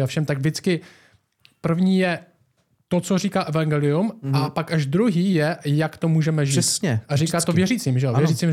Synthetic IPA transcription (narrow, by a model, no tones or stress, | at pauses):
afʃɛmt̪aɡvdɪt͡skɪ | pr̩vɲiːjɛ | t̪o̞t͡so̞riːkaːʔɛvaŋɡɛːlɪumapakaʒd̪ɾuɦiːjɛjakt̪omuːʒɛmɛʒiɛtsɲɛʔaɾiːkaːtt̪ovvjɛɾiːt͡siːmʒɛvvjɛɾiːt͡siːm